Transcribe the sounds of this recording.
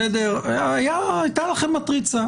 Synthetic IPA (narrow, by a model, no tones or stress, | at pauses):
ed̪eʁajaːjt̪alaχemːat̪ʁit͡sa